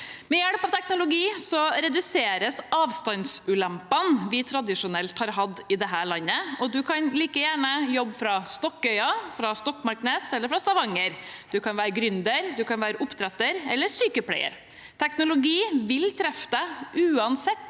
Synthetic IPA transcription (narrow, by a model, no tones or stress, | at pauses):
mɛjæɽpɑʋt̪ʰɛknʊlʊɡiːsɔɾɛd̪ʉseːɾəsɑːʋst̪ɑnsʉːlæmpənʋɪt̪ʰɾɑd̪ɪʂʊnɛlt̪hɑːɾɦɑd̪ːɪd̪ɛɦæːɭɑnːəɔd̪ʉkʰɑnliːkəjæːɳəjɔbːfɾɑst̪ɔkːœʏɑfɾɑst̪ɔkmɑɾkneːsɛlːəɾfɾɑst̪ɑʋɑŋːəɾd̪̥ʉkʰɑnʋæːɾəɡɾʏnd̪əɾd̪ʉkɑnʋæːɾəʔʊpt̪ʰɾɛt̪ːəɾɛlːəʂyːkəpʰɽæ̰ɪə̰ɾ | t̪ʰɛknʊlʊɡiːʋɪlt̪ʰɾɛft̪əʉːɑnsɛt̪ː